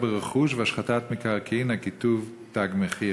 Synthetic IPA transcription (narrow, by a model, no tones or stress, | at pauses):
beʁeχuʃ̬veaʃχatat̪mikaʁkiinhakituv | t̪aɡmeχi